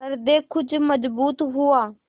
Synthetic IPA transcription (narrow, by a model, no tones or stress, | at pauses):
ɐɾd̪eːkʊd͡ʒməzbuːt̪ɦʊaː